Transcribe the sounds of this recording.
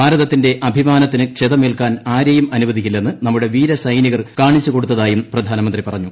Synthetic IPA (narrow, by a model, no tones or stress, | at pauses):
aːɾɐðɐt̪ːinde̞ʔɐbʱimaːnɐt̪ːinɨkʂeðɐmilkaːnaːɾɐjumɐnuʋɐðʱikʲːilːe̞nːɨnɐmːuɽe̞ʋiːɾɐsɐjniɣɐrkaːɳit͡ɕːuko̞ɽut̪ːɐðaːjumprɐd̪ʱaːnɐmɐnd̪ripɐrɐɲːu